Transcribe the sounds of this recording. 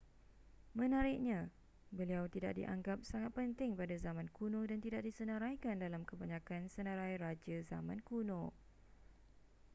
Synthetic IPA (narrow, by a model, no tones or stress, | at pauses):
mə̃naɾɪʔɲã | bəliawt̪ida̰ʔ̚dḭʔa̰ŋɡap̚saŋat̪̚pənt̪ɪŋpadazamãnkunõdant̪idaʔ̚disənəɾajkandalamkəbaɲãkansənəɾajɾad͡ʒəza̰mãnkunõ